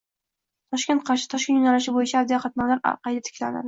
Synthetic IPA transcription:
t̪ʰɒʃkʲent̪̚qʰɑɾʃɪ̥t̪ʰɒʃkʲenjʊnalɪʃɪbojɪt͡ʃʰaːd̪ijχɑt̪̚nɒmlaɾ̰qɑjd̪at̪ʰɪ̥kʲla̰na̰d̪ɪ

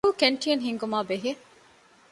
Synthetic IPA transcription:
uːkeɳʈijɐnɦiŋɡumaːbeɦi

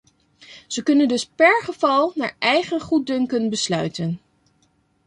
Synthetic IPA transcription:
z̥əkɵnəndɵspɛɹχəv̥ɑlˠnaːɹʔɛjχənχud̚dɵŋkənbəslœɥtən

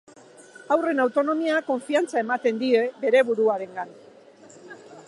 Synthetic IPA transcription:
awre̞nawt̪o̞no̞miako̞ɱfiant͡sae̞mat̪e̞nd̪ie̞be̞ɾe̞βuɾuaɾe̞ŋɡan

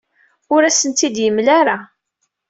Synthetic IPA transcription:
ʊɾæsənt̪id̪jəmlaɾa

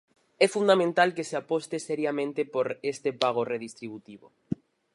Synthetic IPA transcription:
ɛfund̪amẽnt̪alkeseapost̪eseɾjamẽnt̪epoɾest̪epaɣ̞oreðist̪ɾiβut̪iβo̰

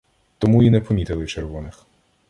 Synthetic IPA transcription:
t̪ɔmuinɛpɔmʲit̪ɪlˠɪt͡ʃerʋɔnɪx

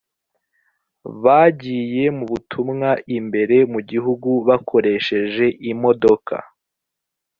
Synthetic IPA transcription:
βaːɟiːje̞muβutʰumŋaimbe̞ɾe̞muɟiɦuɡuβakʰo̞ɾe̞ʃe̞ʒe̞ʔimo̞do̞kʰa̰

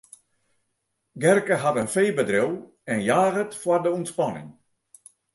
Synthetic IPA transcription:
ɡɛrkəɦatənfeːbədrɪw | ɛnjaːɣətfwardəuntspanɪ̰ŋ

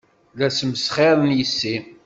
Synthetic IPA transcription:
læsməsχeɾˤənjəsːi

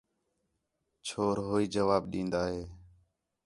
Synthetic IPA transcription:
t͡ʃʰoːɾɦoːiːd͡ʒəʋaːbɗĩːnd̪aːɦeː

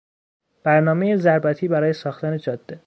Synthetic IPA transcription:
b̥æɾnɒːmejezæɾbæt̪ʰiːbæɾɒːjesɒːxt̪æned͡ʒɒːd̪̥ːe

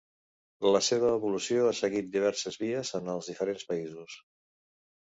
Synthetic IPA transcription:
ləseβ̞əːβulusioasəɣit̪̚d̪iβ̞ɛɾsəzβiəzənəlˠzðifəɾenspəizus

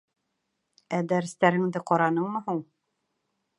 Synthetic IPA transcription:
æd̪æɾɘ̆st̪æɾɘ̆ŋd̪ɘqɒɾɑnɤɴmɤɦuɴ

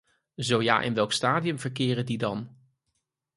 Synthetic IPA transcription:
zowja̰ːʔɪ̰nʋɛlˠkstaːdiɵmvəɹkɪːrədidɑn

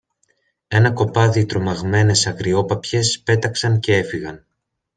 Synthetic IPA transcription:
e̞nɐko̞pɐðit̪ɾo̞mɐɣme̞ne̞sɐkɾio̞pɐpçe̞spe̞t̪ɐksɐnce̞e̞fiɣɐn

